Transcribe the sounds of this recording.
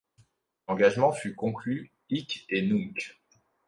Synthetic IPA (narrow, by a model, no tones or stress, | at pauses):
lɑ̃ɡaʒmɑ̃fykɔ̃kly | ikenuk